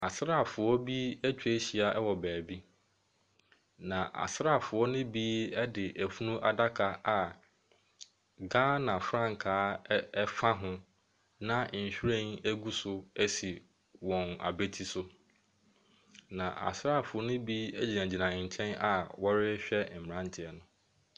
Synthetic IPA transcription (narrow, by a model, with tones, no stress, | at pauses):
a˨sɾa˦˨fʊ˨ɔ˦bi˦æ˦t͡ɕʰᶣu˨e˦ɕi˨a˨ʔɛ˦wɔ˨bæː˨bi˦ | nã˨ʔa̰˨sɾa˦˨fʊ˨ɔ˦nʊ̃˦bi˦ɛ˦dɪ˨ʔæ˨fu˦nũ˦ʔa˨da˦kʰa˨a˨ | ɡaː˦nã˨fɾã˦ŋ˨kʰaː˨˦ɛ˦fa˦ɦʊ̃˦ | nã˦˨n̩˨ɕᶣɾẽ˦n˦æ˦ɡu˦sʊ˦æ˦si˨ | wɔ̃˨na̰˨be˦tʰi˦sʊ˦ | nã˨ʔa̰˨sɾa˦˨fʊ˨ɔ˦nʊ̃˦bi˦ɛ˦d͡ʑi˨nã˨d͡ʑi˨nã˨ɲ̩˨t͡ɕʰɛ̃˦na˨wɔ˦ɾɪ˦ɕᶣɛ˦˨m̩˨mɪ˨ã˦n̩˦tʰɪ˨ɛ˨nʊ̃˦